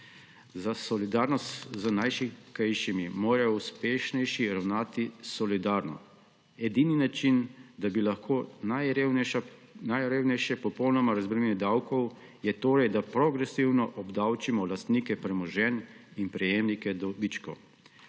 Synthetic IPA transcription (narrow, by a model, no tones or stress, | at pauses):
zasɔlid̪aːɾnɔst̪zənajʃikajʃimimoːɾajɔuspeːʃnɛjʃiɾawnaːt̪isɔlid̪aːɾnɔ̰ | ɛd̪ininat͡ʃind̪abilaxkʰoːnajɾe | najɾewnɛjʃɛpɔpɔwnɔmaɾazbɾɛnɛd̪awkɔw | jɛt̪oːɾɛjd̪apɾɔɡɾɛsiwnɔʔɔbd̪awt͡ʃimɔlast̪niːkɛpɾɛmɔʒɛninpɾɛjeːmnikɛd̪ɔbit͡ʃkɔ